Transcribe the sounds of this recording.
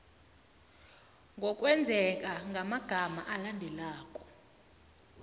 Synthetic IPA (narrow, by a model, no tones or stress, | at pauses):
ŋɡʱɔkʼwɛnd͡zʱɛk̬ʼaŋɡʱamaɡ̥ʱamaʔalandʱɛlaːkʼɔ̥